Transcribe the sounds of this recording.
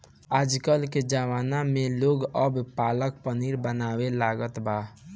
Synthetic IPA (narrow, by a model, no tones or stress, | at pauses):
aːd͡ʒkəlked͡ʒaʋaːnamẽloːɡəbpaːlək̚pəniɾbənaːwelaːɡət̪baː